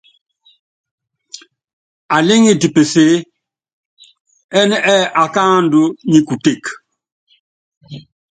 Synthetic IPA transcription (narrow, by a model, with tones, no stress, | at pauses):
a˨li˦ŋi˦˨ti˨pe˨se˨˦ | ɛ˦n˦ʔɛ˦ʔa˨ka˦ndu˦ɲi˦ku˨te˦˨k